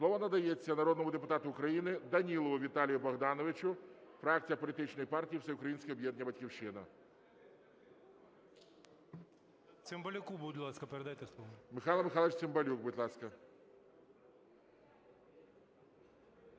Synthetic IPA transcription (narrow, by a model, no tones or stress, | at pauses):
slˠɔʋɐnɐd̪ɐjet͡sʲːɐnɐɾɔd̪nmʊd̪epʊt̪ɑt̪ʊːkɾɐjinɪd̪ɐnʲilˠɔʋʊʋʲit̪ɑlʲijʊbɐɣd̪ɑnɔʋɪt͡ʃʊfɾɑk̚t͡sʲijɐpɔlʲit̪ɪt͡ʃnɔjipɑrtʲijiwsɛʊkɾɐjinʲsʲkʲɪɔbʲjɛd̪nʲibɐtʲkʲiwʃɪnɐ | t͡s̪ʲɪmbɐlʲʊkubudʲlˠɑskɐpeɾɛd̪ajt̪ɛslˠɔʋɔmɪxɑlˠɐmɪxɑlˠet͡ʃʲsɪmbɐlʲuɡbʊtʲlˠɑskɐ